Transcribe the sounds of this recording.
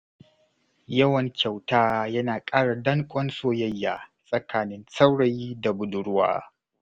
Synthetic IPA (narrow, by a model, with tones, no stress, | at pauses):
jɐ˦wɐ˨ŋkʲa˨wtaː˦jɐ˦naː˨kʼaː˦ɽa˨dɐ˦ŋkʷʼɔ˦nsoː˦jɐ˦jːaː˨sʼɐ˦kʰaː˨nɪ˦nsa˦wɽa˦jda˨bʊ˨dʊ˦ɽʊ˦wa̰ː˦